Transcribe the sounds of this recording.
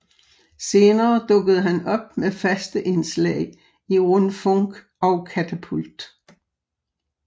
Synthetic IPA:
se̝ːnɐːd̥ɔ̽ɡ̥əð̞̩ˠəɦænɒ̽b̥̚mefæsd̥əʔe̝nslɛ̰ɪ | iʁɔnfɔŋɡ̥ | ɒ̽ʊkʰæt͡sʰæpʰuld̥

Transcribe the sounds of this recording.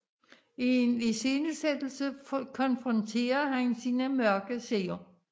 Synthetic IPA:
enesenused̥l̩səkʰɒ̽nfʁɒ̽nt͡sʰe̝̰ːɐhænsiːnəmɶɐɡ̥əseːo

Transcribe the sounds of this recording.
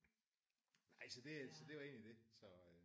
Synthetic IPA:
nɑɪ̰sɒ̽d̥e̝sɒ̽d̥e̝ʋɑ̈e̝ːnlid̥esɒ̽

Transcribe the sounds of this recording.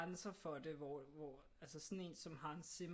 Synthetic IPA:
ansɐfɒ̽d̥e̝ʋɒʋɒ | ælsəsɒ̽ne̝̰ːnsɒ̽mɦɑ̈e̝nsem

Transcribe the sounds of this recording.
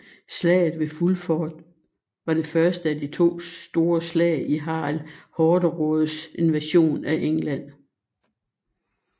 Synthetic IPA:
slɛ̰ːɪð̩ˠʋe̝fulfɒːd̥ | ʋɑ̈ɾ̥e̝fɶɐsd̥əæd̥it͡sʰo̝̰ːd̥o̝ːɐslɛ̰ɪiɦɑ̰̈ːlhɒːdəʁɔð̩ˠse̝nʋæɕo̝̰ːnæʔeŋlæn̰

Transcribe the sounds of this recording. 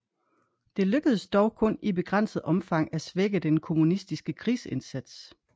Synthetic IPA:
d̥e̝løɡ̥əðˠəsd̥ɒʊkʰɔ̽nib̥e̝ɡ̥ʁɑn̰səð̩ˠɒ̽mfɑ̈ŋ̰æsʋeɡ̥əd̥enkʰo̝munisd̥isɡ̥əkʰʁiːse̝nsæd̥s

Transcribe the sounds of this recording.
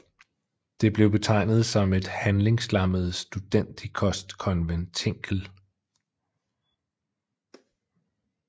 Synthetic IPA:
d̥e̝b̥le̝ʊb̥e̝t͡sʰɑ̈ɪ̰nð̞̩ˠsɒ̽me̝d̥hænle̝ŋslɑ̈məð̞̩ˠsd̥ud̥en̰d̥ikʰɒ̽sd̥kʰɒ̽nʋent͡sʰe̝ŋ̰ɡ̥ʰl̩

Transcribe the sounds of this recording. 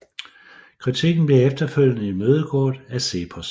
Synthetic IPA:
kʰʁit͡sʰiɡ̥n̩b̥le̝efd̥ɐføl̰jnəimøːð̞ˠəɡ̥ʰɒ̰ːd̥æse̝̰ːpʰɒs

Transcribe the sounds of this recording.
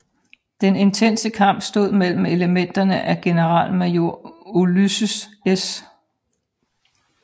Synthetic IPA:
d̥ene̝nt͡sʰen̰səkʰɑ̈m̰b̥sd̥o̝ð̞̰ˠmel̰m̩e̝ləmen̰d̥ɐnəʔæɡ̥e̝nəʁɑ̰̈ːlmæjo̝ɐ̰olysəses

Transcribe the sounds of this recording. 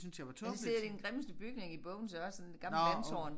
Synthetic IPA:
synsjɑʋɑt͡sʰɔised̥i̥enɡ̥ʁeməsd̥əb̥yɡ̥ne̝ŋib̥ɔ̽ʊn̩seɒssɔnd̥eɡ̥ɑ̈mləlænsɒ̰ːn

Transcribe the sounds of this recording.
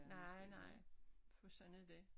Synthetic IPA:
nɑɪ̰nɑ̈ɪ̰fʰɒsɒ̽nd̥e

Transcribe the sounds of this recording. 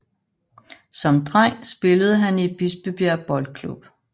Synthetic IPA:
sɒ̽md̥ʁaŋ̰sb̥e̝ləð̞̩ˠɦænie̥b̥isb̥eb̥eɐ̰b̥ɒ̽ld̥̚kʰlṵb̥

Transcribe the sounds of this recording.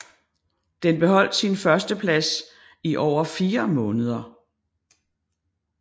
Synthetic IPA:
d̥enb̥e̝ɦɒ̽l̰d̥sinfɶɐsd̥əpʰlæs | iʔɒʊ̰ɐfiːɐmɔ̽ːnəð̞ˠɐ

